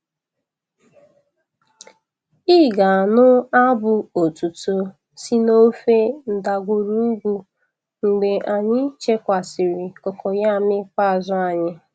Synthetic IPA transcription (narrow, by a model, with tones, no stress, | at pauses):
i˦ɡa˨nʊ˦a˦bʊ˨o˨tu˨to˨ | si˦no˦fe˦n̩˨da˨ɡʷʊ˨ɾu˦ɡʷu˦ | ŋ͡m̩˨ɡ͡be˨ʔa˨ɲɪ˦t͡ʃe˦kʷa˨sɪ˨ɾɪ˨kɔ˨kʰɔ˨ja˦˨mɪ˦k͡pa˦˨zʊ˦a˨ɲɪ˦